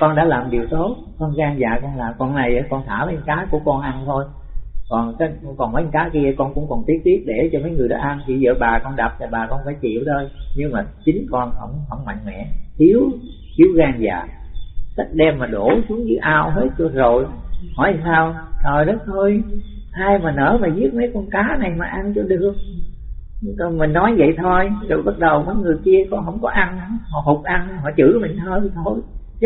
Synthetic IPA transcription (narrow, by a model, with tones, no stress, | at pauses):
kɔ˧nɗa̰ː˧˥laː˨˩mɗi˨˩əwt̪o˦˥t̚xɔ˧nɣaː˧ŋzaː˨kɔ˧nlaː˨˩mkɔ˨˧˩nna˨˩jə˨˦kɔ˧nt̪ʰaː˧˩vəː˨˦˨ŋkaː˨˦jku˧˩əkɔ˧nʔa˧nt̪ʰo˧j | kɔ˨˩nka˨˦˧kɔ˨˩nmə˨˦˨ŋkaː˨˦ki˧əkɔ˧nkʊ̰˧˥ŋ͡mkɔ˨˩nt̪i˦˥ət̚t̪i˦˥əp̚ɗe˧˩t͡ɕɔ˧mə˨˦jŋɨ˨˩əjɗɔ̰˨˦ʔa˧nt̪ʰi˨˩zə̰ː˧˨ɓaː˨˩kɔ˧nɗa˨˩p̚t̪a˨˩ɓaː˨˩kɔ˧nfaː˧˩jt͡ɕḭ˧˨ə˨wɗoə˧jɲɨ˧ŋmaː˨˩t͡ɕï˨˦ŋ̟kɔ˧nhə̰˧˩wŋ͡mhə̰˧˩wŋ͡mma̰˧˨jŋ̟mɛ̰˧˨t̪ʰi˨˦əw | t̪i˨˦əwɣaː˧ŋza̰ː˨ | sa˦˥k̚ɗɛ˧mːaː˨˩ɗo˧˩˦su˨˦əŋzɨ˨˦ʔaː˧wɦe˦˥t̚t͡ɕɔ˧zo˨˩jhɔ̰˧˩˦jsaː˧wt̪ʰəː˨˩jnɗɔ˨˦t̪ʰo˧j | ʔaː˧jmaː˨˩nə̰ː˧˥maː˨˩zi˦˥ət̚mə˨˦jkɔ˧nkaː˨˦na˨˩jmaː˨˩ʔa˧nt͡ɕɔ˧ɗɨ˨˩ək̚ | mï˨˩ŋ̟nɔ˨˦jvə̰˧˨jt̪ʰo˧jzo˨˩jɓa˦˥t̚ɗə˨˩wkɔ˨˦jŋɨ˨˩əjki˧əkɔ˨˦ɦə̰˧˩wŋ͡mkɔ˨˦ʔa˧n˧˦hɔ˧˨ɦo˨˩k͡p̚ʔa˧n˧ɦɔ̰˧˨t͡ɕɨ̰˧˩˦mï˨˩ŋt̪ʰo˧jt̪ʰo˧j